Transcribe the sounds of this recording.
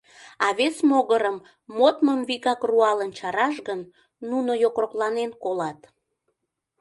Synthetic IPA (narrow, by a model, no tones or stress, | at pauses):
ɑβesmoɣəɾəmː | ot̪məmvikɑkruɑlənt͡ɕɑɾɑʃɣənː | unojokroklɑnenkolɑt̪